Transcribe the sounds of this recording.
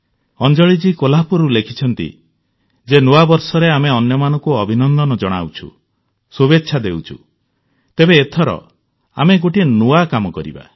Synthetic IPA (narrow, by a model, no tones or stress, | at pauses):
ɔnd͡ʒɔɭid͡ʒikolapuɾulekʰit͡ʃʰɔnt̪ḭ | d͡ʒenuabɔɾsɔɾeameɔnjɔmanɔ̃ŋkuɔbʱinɔnd̪ɔnɔd͡ʒɔɽ̃a̰wt͡ʃʰṵ | subetːʃʰad̪ewt͡ʃʰṵ | t̪ebeːt̪ʰɔɾɔ̰ | a̰meɡoʈinuakamɔkɔɾḭba̰